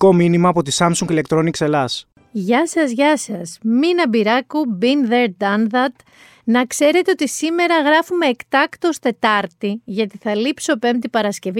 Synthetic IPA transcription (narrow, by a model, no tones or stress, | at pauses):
ko̞minimɐːpo̞t̪isɐmsuŋɡile̞k̚t̪ɾonikse̞lɐs | ʝɐsɐzʝɐsɐsminɐbiɾɐkubinðeɾd̪ɐnðɐt̪ | nɐkse̞ɾe̞t̪e̞o̞t̪isime̞ɾɐɣɾɐfume̞ːkt̪ɐkt̪o̞st̪e̞t̪ɐɾt̪iʝɐt̪iθɐlipso̞pe̞mt̪ipɐɾɐsce̞vi